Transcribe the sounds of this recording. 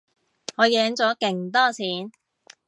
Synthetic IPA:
ŋɔː˨˧jɛː˨˧ŋt͡sɔː˨˥kɪ˨˩ŋt̪ɔː˥t͡sʰiː˨˥n

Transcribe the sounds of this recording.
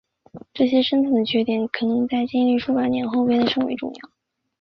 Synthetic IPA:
ʈ͡ʂɤ˥˩ɕjɛ˥ʂə˥nt͡sʰa˨˥˩ŋd̪ə˧˩t͡ɕʰɥɛ˥t̪i˧˩nkʰɤ˨˩nɤ˧˥ŋt͡sa˥˩ɪt͡ɕi˥˧nly˥˩ʂu˥pa˨˥nnjɛ˧˥nxo˥˧ʊpjɛ˥nd̪ə˨˧ʂɤ˥ŋwḛ˧˥ɪʈ͡ʂʊ̰˥˧ŋjɑ̰˥˩ʊ

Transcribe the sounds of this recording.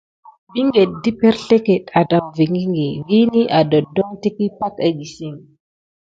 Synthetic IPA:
bi˦ŋɡe˨t̚di˦pe˦ɾɬe˦ke˨ta˨da˨mvi˨ŋɡi˦ŋɡi˨vi˦ni˦ʔa˨do˨dɔ˦ŋti˦ki˦pa˦ka˨ɡi˨si˦ŋ

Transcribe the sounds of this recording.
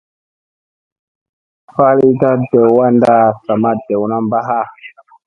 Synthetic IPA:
fa˦li˦ta˦de˨wwa˦nda˦sa˨ma˦de˨wna˦mba˦ɦa˦˨

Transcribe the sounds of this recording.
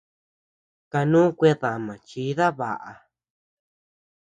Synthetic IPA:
ka˧nũː˦kʷe˧ða˨mã˨t͡ʃi˨˦ða˦βa̰˨ʔa˨˧

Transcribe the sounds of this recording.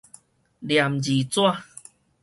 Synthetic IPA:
lja˨˩md͡ʑi˨˩t͡swa˥˧˨

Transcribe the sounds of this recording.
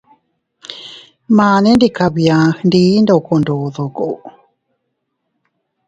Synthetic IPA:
maːne˦ndikaβia˨xndiː˦ndo˨kondoðo˨ko̰˨w

